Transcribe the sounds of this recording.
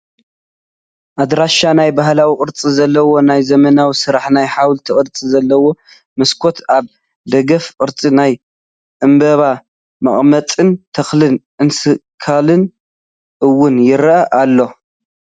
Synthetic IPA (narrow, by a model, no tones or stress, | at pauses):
ʔad̪ɾaʃanajbahlawiqʼɨɾt͡sʼizɐlːɐwo̞najzɐmɐnawisɨɾaħnajħawlt̪ʰiʔʼɨɾt͡sʼizɐlːɐwo̞ | mɨskʰo̞t̪ʰaβ | d̪ɐɡɐfqʼɨɾt͡sʼinaj | ʔɨmbɐβa | mɐχʼmɐt͡sʼɨnt̪ʰɐxlɨnʔɨnsɨkʰalɨn | ʔɨwːʊnjɪɾʔɐʔalːo̞